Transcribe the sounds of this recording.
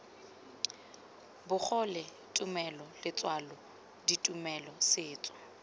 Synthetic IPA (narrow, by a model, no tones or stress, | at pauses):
bʊk͡xʰɔlɛ | tʼʊmɛlɔlɪt͡sʼwalɔ | ditʼumɛlɔsɪːt͡sʼɔ̥